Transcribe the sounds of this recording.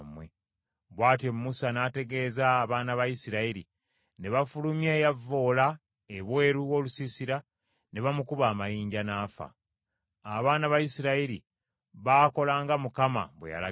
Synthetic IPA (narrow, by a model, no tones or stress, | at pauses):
mwe | βwaːtjemumusanaːte̞ɡe̞ːzaːβaːnaβajisiɾaiɾḭ | ne̞βafulumjeːjavːo̞ːla | eβwe̞ːɾuo̞ːlusisiɾa | ne̞βamukuβaːmajiːɲɟanaːfa̰ | aβaːnaβajisiɾaiɾi | βaːko̞laːŋɡamukama̰βwḛja̰la̰